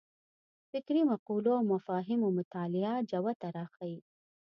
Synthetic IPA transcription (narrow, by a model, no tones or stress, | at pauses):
fɪkɾimaquːlomafɑːɦimumʊt̪aːlɪad͡ʒawat̪aɾaːxaj